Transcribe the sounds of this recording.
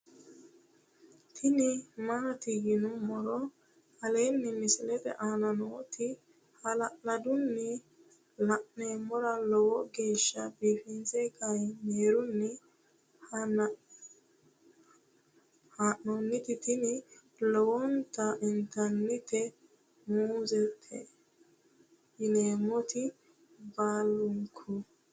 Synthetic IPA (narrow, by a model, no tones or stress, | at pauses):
t̪ʰɪnɪmɐnɐt̪ɪɡɪnʊmːɔɾɔ | hɐleːnːɪmɪsɪlɛt̪ɛ̰ʔaːnɐnɔt̪ʰɪ | hɐlɐʔnɐd̪ʊnːɪ | lɐʔnemɔɾɐlɔwɔɡe̞ːʃːɐbiːfɪnsɛkɐjmeːɾʊnːɪ | hɐ | haʔnɔnːɪt̪ɪt̪ɪnɪ | lɔwɔnt̪ɐʔɪnt̪ɐnːɪt̪ɛ | muːzɛt̪ʰːɛ̰ | ɪneːmːɔt̪ɪ | baːlːʊŋkʰʊ